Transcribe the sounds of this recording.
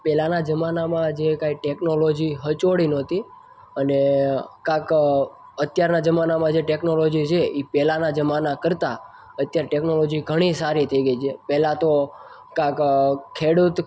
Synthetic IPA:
pɛlanad͡ʒəmanamãd͡ʒekaiʈeknolod͡ʒiɦət͡ʃoɽinot̪i | ənekãk | ət̪jaɾnad͡ʒəmanamãd͡ʒeʈeknolod͡ʒit͡ʃʰeipɛlanad͡ʒəmanakəɾt̪a | ət̪jaɾeʈeknolod͡ʒiɡʱəɽ̃isaɾit̪ʰəiɡəit͡ʃʰepɛɦlãt̪o | kãkkʰeɽut̪

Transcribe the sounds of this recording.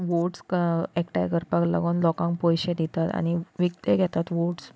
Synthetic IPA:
ʋoʈskekʈa̰jɡəɾpəkla̰ɡonlɔkãŋkpojɕed̪ʱit̪at̪a̰ɽ̃iʋiɡ̚t̪eɡʱɛt̪at̪ʋoʈs

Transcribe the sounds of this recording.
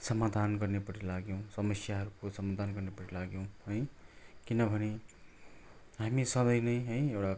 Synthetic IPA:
sʌmad̪ʱanɡʌrnepʌʈʰilaɡjow̃sʌmʌsjaɦʌɾukosʌmad̪ʱanɡʌrnepʌʈʰilaɡjow̃ɦʌjkinʌbʱʌne | ɦamisʌ̃d̪ʌjnʌjɦʌjewɽa

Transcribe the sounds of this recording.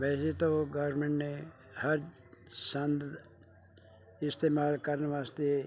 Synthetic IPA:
ʋɛːset̪oɡəːɾmẽɳʈne | hɐɾ | sə̃nd̪ | ɪst̪eːmaːlkɐɾnʋaːst̪e

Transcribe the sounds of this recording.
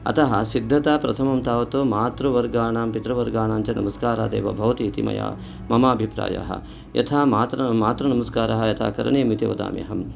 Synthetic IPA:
ɐ̰t̪ɐɦɐsid̪ʱːɐt̪aːpɾɐt̪ʰɐmɐmt̪aːʋɐt̪oːmaːt̪ɾuʋɐɾɡaːɳaːmpit̪ɾɐʋɐɾɡaːɳaːɲt͡ʃɐnɐ̰mɐskaːɾaːd̪ḛːʋɐ̰bʱɐʋɐt̪iːt̪imɐ̰ja̰ː | mɐmaːbʱipɾa̰ːja̰ɦɐ̰ | jɐ̰t̪ʰaːmaːt̪ɾɐmaːt̪ɾɐnɐmɐskaːɾɐɦɐjɐt̪ʰa̰ːkɐɾɐɳeːmit̪eʋɐd̪a̰ːmjɐ̰ɦɐm

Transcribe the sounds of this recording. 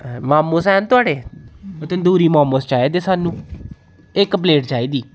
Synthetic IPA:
maːmoːsɛːnt̪ʊaːɖeːət̪ẽnd̪uːɾiːmaːmoːst͡ʃaːeːd̪eːsaːnũː | ɪkːpleːʈd͡ʒaːiːd̪iː

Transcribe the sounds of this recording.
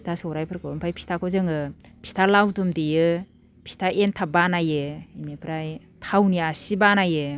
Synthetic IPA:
itʰasɯwɾajpʰɯɾkʰɯɯmpʰajpʰi̥stʰakʰɔzɯŋɯpʰi̥stʰalawdumdijɯ | pʰi̥stʰaentʰabanajɯimepʰɾaj | tʰawniasibanajɯ

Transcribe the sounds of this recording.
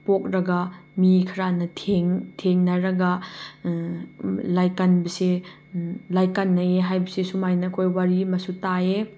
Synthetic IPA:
pok̚ɾɐɡɐmikʰɐɾanɐtʰeŋtʰeŋnɐɾɐɡɐ | lajkɐnbɐse | lajkɐnːɐeɦajbɐsesumajnɐkʰojwaɾimɐsutae

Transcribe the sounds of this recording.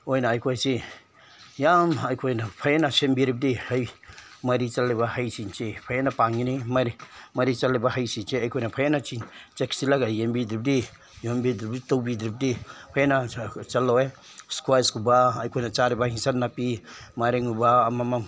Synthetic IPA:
ojnaːjkʰojse | jamajkʰojnapʰajanasembiɾip̚dihajmaɾit͡ʃalːebahajsint͡ʃepʰajanapaŋinimaɾimaɾit͡ʃalebaɦajsint͡ʃeajkʰojnapʰajanat͡ʃint͡ʃeksilaɡajembidɾip̚di | jɔmbidɾip̚ditowbidɾip̚dipʰajanat͡ʃalawe | skwajskubaːjkʰojnat͡ʃaɾebahiŋsanːapimaɾeŋubaːmamaŋ

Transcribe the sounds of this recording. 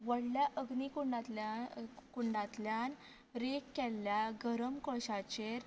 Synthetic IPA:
ʋəɽljaʔəɡnikuɳɖat̪lakuɳɖãt̪ljan | ɾekːɛlːjaɡʱəɾəmkɔɕat͡ɕeɾ

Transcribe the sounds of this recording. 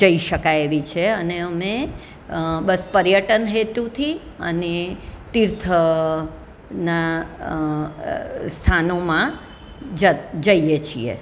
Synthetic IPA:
d͡ʒəiʃəkajeʋit͡ʃʰeəneəme | bəspəɾjəʈənɦet̪ut̪ʰi | ə̰net̪iɾt̪ʰə | na | st̪ʰanomã | d͡ʒəd͡ʒəijet͡ʃʰḭḛ

